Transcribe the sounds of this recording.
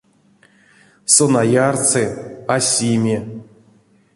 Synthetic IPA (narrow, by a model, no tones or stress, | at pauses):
sonajart͡sɨasʲimʲe